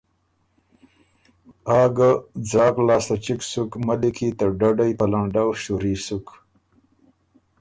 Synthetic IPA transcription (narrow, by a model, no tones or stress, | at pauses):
ɑːɡad͡zɑːklɑːst̪at͡ʃiksukmalikʰit̪aɖaɖajpəlaɳɖawʃuɾisuk